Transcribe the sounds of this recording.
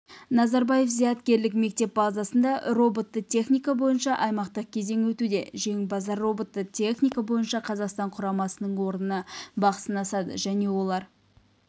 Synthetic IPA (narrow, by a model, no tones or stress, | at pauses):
nɑzɑɾbɑje̞fzijɑt̪kʲe̞ɾlɪkme̞k̚t̪e̞p̚bɑzɑsənd̪ɑro̞bo̞t̪ːət̪ʲʰe̞χnʲijkɑbo̞jənʃɑʔɑjmɑqt̪əq̚kʲʰe̞ze̞ŋwɵt̪ud̪e̞ʒe̞ŋbɑzɑrːo̞bo̞t̪ːət̪ʲʰe̞χnʲijkabo̞jənʃɑqʰɑzɑqst̪ɑɴqʰʊɾɑmɑsənəɴwo̞ɾnənɑbɑqə̥sənɑsɑd̪ə̰ʒæne̞wo̞lˠɑɾ